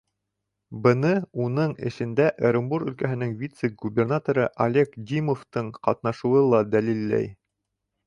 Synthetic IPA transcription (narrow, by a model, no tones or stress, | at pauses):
bɤ̆nɤunɤɴɘ̰̆ʃɘ̆nd̪æʔeɾʲombuɾɵ̆lkæɦɘ̆nɘŋvʲit̪sɘɡubʲernat̪oɾɤʔɐlʲekɡʲimoft̪ɤɴqɑt̪nɑʃŭwɤlˠɑd̪ælilːæ̰j